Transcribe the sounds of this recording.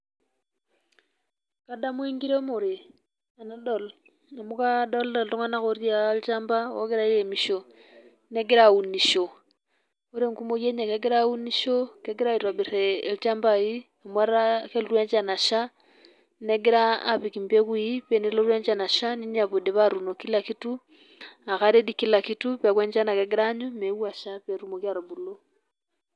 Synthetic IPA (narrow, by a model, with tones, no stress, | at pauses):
ka˦da˦mwi˦ŋɡi˦ɾe˦mo˨ɾi˨ | a˨na˦do˨l | na˨mu˦ka˦do˦ldo˨lto˦ŋwa˦na˦xo˦rja˦lt͡ʃa˦mba˦wo̰˦ke˦ɾa˦je˨mi˨ʃo˨ | ne˦ɡi˦ɾa˦u˨ni˨ʃo˨ | o˦ɾe˦ŋ˨ku˦mo˦je˦ɲe˨ke˦ɡe˦ɾau˦ni˦ʃo˦ke˦ɡi˦ɾa˦i˨ɾwa˨bi˨ɾe˨lt͡ʃa˦mba˨i˦ | mwa˦ɾake˦lu˦ɾwɛ˦ɲd͡ʒa˨na˨ʃa˦ | ne˦ɡi˦ɾa̰ː˨βi˨ki˨mbe˦ɣwui˦βe˨ni˦lo˦ɾwɛ˦ɲd͡ʒa˨na˨ʃa˦ni˦ɲa˨βo˨de˨βa˦ɾu˨no˨ki˦la˨ki˦tu˦ | a˨ɣaɾe˦di˦ki˦la˨kitu˦βa˨kwɛ˦ɲd͡ʒa˦na˨ke˦ɡi˦ɾaɲu˦mewa˨ʃa˦βɛ˨ɾu˦mo˨kja˨ɾo˨βu˨lo˦